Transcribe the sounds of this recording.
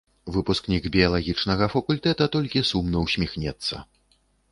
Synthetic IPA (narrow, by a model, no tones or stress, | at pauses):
vɨpusknʲiɡbʲijɐlˠaɣʲit͡ʂnɐɣɐfɐkulʲt̪ɛt̪ɐt̪ɔlʲkʲisumnɐwsʲmʲixnʲɛt̪sːɐ̰